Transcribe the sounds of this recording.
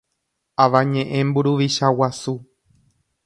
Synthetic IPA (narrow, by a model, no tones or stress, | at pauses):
aʋãɲẽʔẽ̞mbuɾuʋiʃawasu